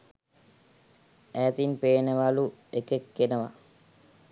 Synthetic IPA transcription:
æːt̪inpeːneʋaluekekːenəʋa̰

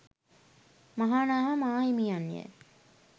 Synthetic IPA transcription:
maɦaːnaːɦamaːimijanːḭḛ

